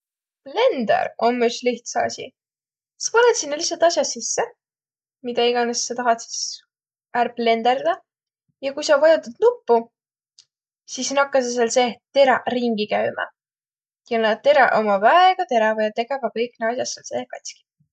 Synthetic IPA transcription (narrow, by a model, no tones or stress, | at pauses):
ple̞nd̪ḛɾomːysliht̪sɑ̰sʲḭ | i̥spɑlet̪sinːlisːɑlt̪ɑsʲjɑssisːe | mid̪̥ɑiɡ̥ɑnesːet̪ɑɦɑt̪si̥s | ærble̞nd̪eɾd̪̥ɑ | jɑkujsɑvɑjɑt̪ːud̪̥nupːu | sisnɑkːɑseselse̞ːt̪e̞ɾɑriŋɡikæɥmɑ̰ | jɑnɑt̪e̞ɾɑ̰ʔomɑvɑeɡ̥ɑt̪e̞ɾɑvɑjɑt̪e̞ɡɑvɑkɤjkˑneɑs̬jɑselsḛːkɑt̪ʲski̥